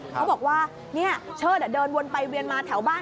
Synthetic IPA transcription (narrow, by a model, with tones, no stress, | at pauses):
ha˧˦ɓɔː˨˩k̚waː˧ | ŋi˧˥˩ət͡ɕʰəː˧˩ɗa̰ː˧˥ɗəː˧nmu˧ənpa˧jwi˨˧ənmaː˧˩t̪ʰɛ˩˦wɓaː˧˥